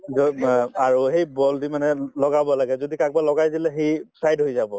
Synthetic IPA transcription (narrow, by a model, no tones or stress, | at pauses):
zɔaɹuɦejbɔldimanɛlɔɡabɔlaɡɛzodikak̚balɔɡajzilɛɦejsɹajdɦojzabɔ